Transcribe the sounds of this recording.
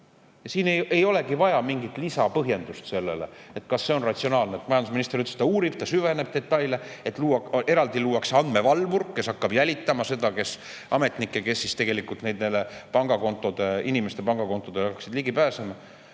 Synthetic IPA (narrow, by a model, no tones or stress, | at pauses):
jɑsiːneje̞jo̞le̞kivɑjɑmiŋɡit̪lisɑpɤɦje̞nd̪ust̪se̞lːḛle̞̰et̪kɑsːe̞o̞nrɑt̪sio̞nɑːlnet̪ːmɑjɑnd̪usminist̪eɾyt̪ːest̪ɑuːɾib̥̚t̪ɑsyve̞ne̞b̥̚t̪e̞t̪ːˑɑjleet̪ˑluːwɑke̞ɾɑld̪iluːwɑkseɑnd̪̥me̞vɑlːvurkke̞sɑkːɑbjælʲit̪ːˑɑmɑse̞d̪ɑke̞s | ʔɑ̰me̞t̪ˑnikːˑeke̞sːist̪eɡe̞likˑult̪ned̪nelːepɑŋɡ̥ɑko̞nt̪ːˑo̞d̪̥einime̞st̪e̞pɑŋɡ̥ɑko̞nt̪ːˑo̞d̪eɑkːˑɑksid̪liɡ̥ipæːsemɑ